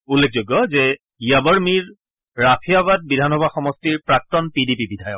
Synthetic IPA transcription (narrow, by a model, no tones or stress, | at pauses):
ulːek̚ʰzoɡjɔzɛ | iabɔɹmiɹ | ɹapʰijabad̚bidʱanɔbaxɔmɔstiɹpɹak̚tɔnpidipibidʱajɔk